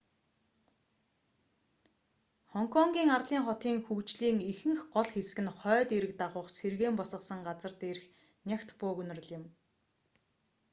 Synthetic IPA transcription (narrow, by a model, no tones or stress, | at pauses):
χɔŋkʰɔŋɡʲiːŋarɮiːŋχɔt̪iːŋxukt͡ɕɮiːŋixɘ̆ŋxɢɔɮxesɘ̆ɣɘ̆nχœːt̪eɾɘ̆k̚t̪aʁʊːχserɣeːmpɔsə̆sə̆ŋɢat͡sə̆rt̪eːrx | nʲakʲt̪pʊːkɵn̆rɘ̆ɮɪ̆m